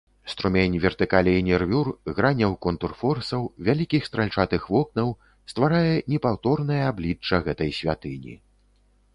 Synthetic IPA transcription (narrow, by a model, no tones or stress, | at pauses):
st̪ɾumʲenʲvʲɛrt̪ɨkalʲɛinʲɛrvʲurɣɾanʲɐwkɔnt̪urfɔrsɐwvʲalʲikʲixst̪ɾalʲt͡ʂat̪ɨxvɔknɐw | st̪vaɾajɛnʲɛpawt̪ɔrnɐjɐablʲit͡ʂːɐɣɛt̪ɐjsʲvʲat̪ɨnʲḭ